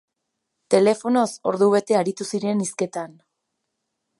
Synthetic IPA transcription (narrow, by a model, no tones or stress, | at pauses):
t̪e̞le̞fo̞no̞so̞ɾðuβ̞e̞t̪e̞aɾit̪usiɾe̞niske̞t̪an